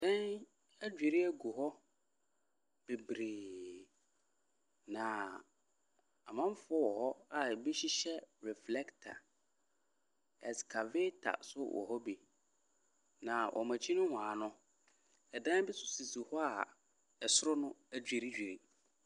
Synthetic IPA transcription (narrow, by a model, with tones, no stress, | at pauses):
dã˦n | æ˦d͡ʑᶣe˨ɾi˦æ˦ɡu˨ɦɔ˦ | b̥e˨bɾeː˨ | nã˨ | a˨mã˦m˦fʊ˦ɔ˦wɔ˨hɔ˦a˨bi˦ɕi˦ɕɛ˦ɾɛ˨flɛ˦ktʰa̰˨ | ɛ̰˨skʰa˨veː˦tʰa̰˨sʊ˦wʔɔ̰˨ɦɔ˦bi˨ | nã˨wʔɔ̰˨mã˨t͡ɕʰi˦nʊ̃˦wãː˨nʊ̃˦ | ɛ˨dã˦bi˦sʊ˨si˨su˨hɔ˦a˨ | ɛ˨sʊ˦ɾʊ˦nʊ̃˦æ˨d͡ʑᶣe˨ɾi˦d͡ʑᶣe˨ɾi˨